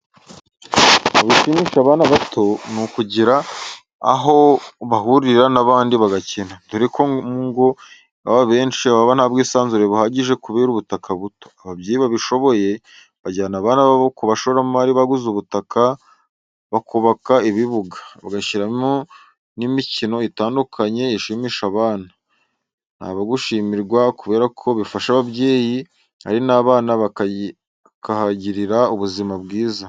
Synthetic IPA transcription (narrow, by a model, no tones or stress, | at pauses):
muβiʃimiʃaβaːnaβatʰo̞nukuɟiɾa̰ː | ɦo̞βaɦuɾiɾanaβaːndiβaɡacenatuɾikʰoŋɡo̞ | aβaβe̞ːnʃiaβaβan̥haːbɡiːsaːnzuɾe̞βuhaɟiʒe̞kuβeːɾuβutakʰaβuto̞̥aβabjiːiβaβiʃo̞βo̞je̞ | βaɟaːnaβaːnaβaβokuβaʃoβɾamuβaɾiβaɡuzuβutakʰa | βakuβakaiβiβuɡḁβa̰ɡaʃiɾamo | nimicino̞itaːndukʰaɲe̞iʃiːmiːʃaβaːna | nha̰ːβaɡuʃiːmiɾɡwakuβe̞ːɾakʰo̞βifaʃaβabɟe̞ːji | a̰ɾinaːβaːnaβa | kahaɟiɾiɾauβuzimabɡiːza